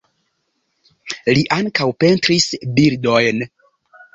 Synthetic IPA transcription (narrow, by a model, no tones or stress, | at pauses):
liʔaŋkawpe̞ntɾisbiɾdojn